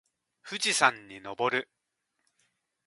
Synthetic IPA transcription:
ɸɯ̟d͡ʑisãɲ̟ːino̞bo̞ɾɯ̟

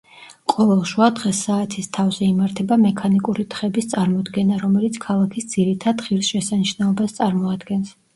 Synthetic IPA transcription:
qʼɔvɛlˠʃwad̪ʁɛsaːt̪ʰist̪ʰavzɛimaɾt̪ʰɛbamɛkʰanikʼuɾit̪ʰχɛbist̪sʼaɾmɔd̪ɡɛnaɾɔmɛlit̪sʰkʰalˠakʰisd̪z̥iɾit̪ʰad̪χiɾisʃɛsaniʃnɛɔbast̪sʼaɾmɔad̪ɡɛns

